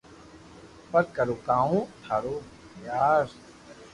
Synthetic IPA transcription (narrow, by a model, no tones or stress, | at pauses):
pɐɾkɐɾukaːũt̪ʰaːɾoː | jaːɾ